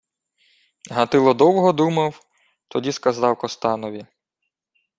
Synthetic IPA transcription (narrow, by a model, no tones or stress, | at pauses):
ɦɐt̪ɪlˠɔd̪ɔwɦɔd̪umɐw | t̪ɔdʲiskɐzɑwkɔst̪ɑnɔʋʲi